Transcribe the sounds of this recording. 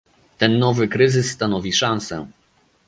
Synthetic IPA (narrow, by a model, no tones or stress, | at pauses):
t̪ɛnːɔvɘkɾɘzɘsːt̪anɔvʲiʂansɛ̰